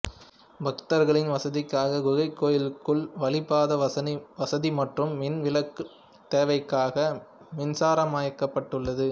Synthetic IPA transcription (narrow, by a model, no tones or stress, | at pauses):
bɐkt̪ɐɾɣɐɭɪnʋɐsɐðɪkːaːɣɐɡʊɣɐɪkːoːjɪlɯkːɯɭʋɐlɪpːaːðɐɐnʋɐsɐðimɐʈrɯmːɪnʋɪlɐkːɯ | t̪eːʋɐɪkːaːɣɐ | mɪnsaːɾɐmaːjɐkːɐpːɐʈːɯɭːɐðɯ